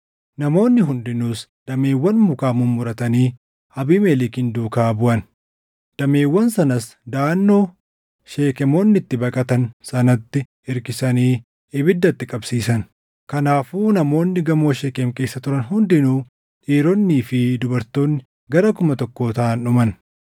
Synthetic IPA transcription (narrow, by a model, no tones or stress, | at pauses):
nɐmo̞ːnːɪɦʊnd̪ɪnuːsd̪̥ɐmeːwːɐnmʊkaːmʊmːʊɾɐt̪ɐniː | ɐbiːmelɪkɪnd̪uːkaːbʊʔɐn | d̪̥ɐme̞ːwːɐnsɐnɐs | d̪aːnːo̞ː | ʃe̞ːkɛmoːnːɪt̪ːɪbɐkʼɐt̪ɐnsɐnɐt̪ːɪ | ɪɾkɪsɐniː | ɪbɪd̪ːɐt̪ːɪkʼɐbsiːsɐn | kɐnaːfuːnɐmo̞ːnːɪɡɐmo̞ːʃeːkɛmke̞ːsːɐt̪ʊɾɐnɦʊnd̪ɪnuː | ᶑiːɾɔnːiːfɪd̪ʊbɐɾt̪o̞ːnːɪ | ɡɐɾɐkʊmɐt̪ɔkːo̞ːt̪ɐʔːnᶑʊmɐn